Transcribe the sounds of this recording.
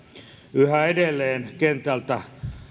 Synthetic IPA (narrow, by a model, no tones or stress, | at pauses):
yhæedelːeːnkent̪ælt̪æ